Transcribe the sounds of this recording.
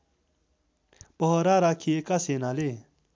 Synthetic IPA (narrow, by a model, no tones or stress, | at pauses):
pɐɦoɾaɾakʰiekasenale